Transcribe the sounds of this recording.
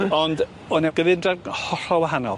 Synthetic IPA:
ɔnd | ɔnɛɡ̥əvɪndrarhɔr̥ɔwaɦanɔ̰lˠ

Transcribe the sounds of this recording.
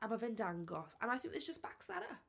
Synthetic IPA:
ʔãɪmavɛ̃ndãŋɡɔsə̰̃naɪθɪ̃ŋk̚ðɪszd͡ʒʌsb̥aksɛɾə

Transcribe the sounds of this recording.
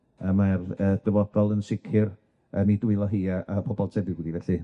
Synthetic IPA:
əmarəːd̥əvɔd̥ɔlˠənsɪkʰɪr | ənidwɪlˠɔɦiːaʔapʰɔbɔlˠtʰɛbɪɡwɪdivɛɬi

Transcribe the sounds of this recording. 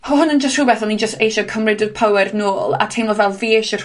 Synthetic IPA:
ɔɦʊnənd͡ʒəstrʊbɛθɔnid͡ʒəstejʃɔkʰəmrɪdəd̥pʰawɛrnoːlˠa̰tʰejmlɔvɛlˠviːʃər

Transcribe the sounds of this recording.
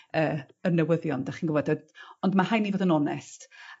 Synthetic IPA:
əː | ərnəwəðjɔndaχiːnɡʊvɔdɔdɔndmahajnivoːdənɔnɛst

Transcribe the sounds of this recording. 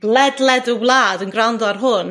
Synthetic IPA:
ɡ̥lˠɛdlˠɛdəwlˠaːdənɡrandɔrɦʊn

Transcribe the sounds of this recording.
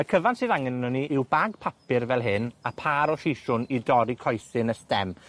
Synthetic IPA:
əkʰəvantsɨːðaŋɛnɔniʔɪwbaɡ̚pʰapɪrvɛlˠɦɪnapʰaːɾɔɬejʃʊnidɔɾikʰɔjθɪnəstɛm

